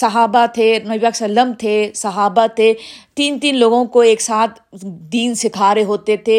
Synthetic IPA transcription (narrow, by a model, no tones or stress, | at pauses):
sɐɦaːbat̪ʰenɐʋjəksɐləmt̪ʰesɐɦaːbat̪ʰet̪iːnt̪iːnloːɡõkoeːksaːt̪ʰd̪iːnsɪkʰaːɾeɦoːt̪et̪ʰe